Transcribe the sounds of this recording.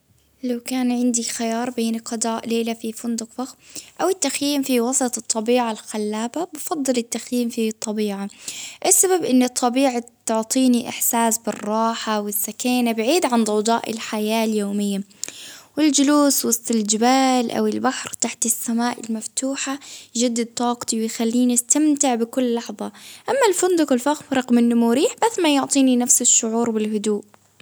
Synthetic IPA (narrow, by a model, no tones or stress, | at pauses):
lawkaːnʕɪnd̪ixajɑːɾˤbeːnqɑd̪ˤɑːʔleːlafifʊnd̪ʊqfaxʔawɪt̪ːaxjiːmfiwɑsˤɑt̪ˤɨt̪ˤːɑbiːʕalxalːaːbabɑfɑd̪ˤːɨlɪt̪ːaxjiːmfit̪ˤːɑbiːʕaʔɪsːababʔɪnːɪt̪ʰˤːɑbiːʕat̪ʊʕt̪ˤiːniʔɪħsaːsbɪrˤːɑːħawɪsːakaːnabɪʕiːd̪ʕand̪ˤɑwd̪ˤɑ̰ːʔɪ̰lħajaːljoːmɪjːa | wɪld͡ʒɪluːswɑst̪ˤɪld͡ʒɪbaːlʔa̰wɪlbaħɾt̪aħt̪ɪsːamaːʔɪlmaft̪uːħad͡ʒad̪ːad̪̚t̪ˤɑːqt̪iwɪjxalːiːnɪst̪amt̪ɪʕbɪkʊlːɑħðˤɑʔamːalfʊnd̪ʊqɪlfaxmɾˤɑqmɪnːʊmuɾiːħb̥asːmajʊʕt̪ˤiːninafsɪʃːʊʕuːɾbɪlhʊd̪uːʔ